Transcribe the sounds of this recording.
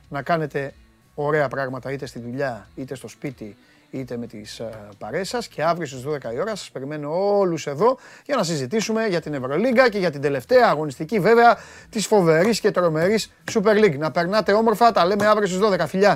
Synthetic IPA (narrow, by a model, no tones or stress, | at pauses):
nɐkɐne̞t̪e̞ | o̞ɾe̞ɐpɾɐɣmɐt̪ɐit̪est̪iðuʎɐit̪e̞st̪o̞spit̪i | it̪e̞me̞t̪ḭspɐɾe̞sɐsce̞ɐvɾios̬izðo̞ðe̞kɐio̞ɾɐsɐ̥spe̞ɾime̞no̞oluse̞ðo̞ʝɐnɐs̬izit̪isume̞ʝɐt̪ine̞vɾo̞liɡɐce̞ʝɐt̪ind̪e̞le̞ft̪e̞ɐːɣo̞nist̪icive̞ve̞ɐ | t̪isfo̞ve̞ɾisce̞t̪ɾo̞me̞ɾisːupe̞ɾliɡnɐpe̞ɾnɐt̪e̞o̞mo̞ɾfɐt̪ɐle̞me̞ɐvɾios̬t̪izðo̞ðe̞kɐfiʎɐ